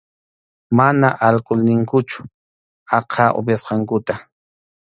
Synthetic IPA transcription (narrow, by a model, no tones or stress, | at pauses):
manaʔalkʊlnɪŋkʊt͡ʃʊ̥ | ɑqʰɑːʔʊ̰bjasqɑŋkʊt̪a